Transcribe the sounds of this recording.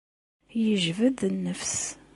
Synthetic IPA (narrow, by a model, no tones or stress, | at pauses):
jəʒvəðnːəfs